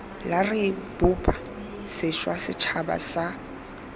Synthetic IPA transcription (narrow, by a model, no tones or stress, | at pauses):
larɪb̥ʊpʼa | sɪʃwasɪt͡ʃʰaba̰sa